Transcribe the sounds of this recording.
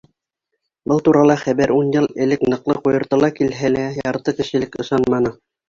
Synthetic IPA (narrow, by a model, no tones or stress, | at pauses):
bɤlˠt̪uɾɑlˠɑχæβæɾunjɤlˠɘ̆lɘknɤ̆qlˠɤqujɤ̆ɾt̪ɤlˠɑkilɦælæjɑɾt̪ɤkɘ̆ʃɘ̆lɘkɤ̆ʃɑnmɑnɤ